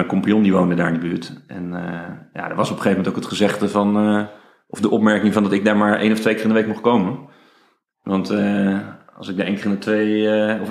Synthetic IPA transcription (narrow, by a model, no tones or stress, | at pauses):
əkɔmpiɔndiʋowndədaːɹɪndəbyːɹtʔɛnja̰də̰ɹʋɑsɔpə̥χejvəmɛntoʊkətχəzɛχtəvɑn | ʔɔfdəʔɔpmɛɹkɪŋvɑndɑtɪɡ̚daːɹmaːɹḛjnɔftʋejkɪrɪndəʋejk̚mɔχkowmən | ʋɑnt | ɑ̰lˠsɪk̚dəʔejnkːrɪndətʋejɔf